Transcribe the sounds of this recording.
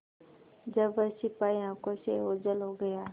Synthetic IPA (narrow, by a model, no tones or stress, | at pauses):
d͡ʒəbəsɪpaːjãːkoseoːd͡ʒəlɦoɡəjaː